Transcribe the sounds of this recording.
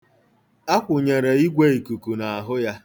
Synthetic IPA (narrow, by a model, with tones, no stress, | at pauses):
a˦kʷʊ˨ɲe˨ɾe˨i˦ɡʷe˦i˨ku˨ku˨na˨a˨ɦʊ˦ja˦